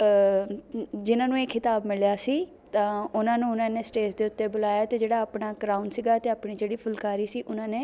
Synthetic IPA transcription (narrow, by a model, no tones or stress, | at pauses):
d͡ʒɪnãːnũːeːkʰɪt̪aːbmɪljaːsiː | t̪ãːʊnãːnũːʊnãːneːsʈeːsd̪eːʊt̪ːeːbʊlaːjaːt̪eːd͡ʒeːɽaːaːpɳaːkɾaːʊnsiːɡaːt̪eːaːpɳiːd͡ʒeːɽiːpʰʊlkaːɾiːsiːʔʊnãːneː